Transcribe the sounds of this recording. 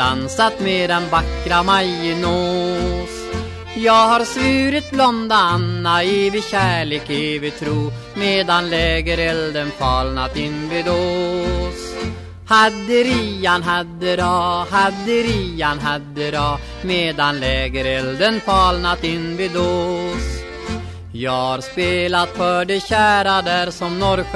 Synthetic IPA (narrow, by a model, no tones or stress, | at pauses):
a̰nsat̪med̪ɛnvakːɾamajəno | s | jɑːɡhaɾsvyːɾɪt̪̚blɔnd̪aanːaeːvɪɕæːɭeːkevɪt̪ʰɾuː | meːd̪anlɛːɡəɾɛld̪ənfɑːlnat̪ɪnvid̪o | s | had̪əɾianɦad̪ːəɾɑhad̪əɾianɦad̪əɾɑ | meːd̪anlɛːɡəɾɛld̪ənfɑːlnat̪ɪnːvɪd̪oːs | jɑːhaɾspeːlat̪fœɖɛɕæːɾad̪æɾsɔmnɔɾ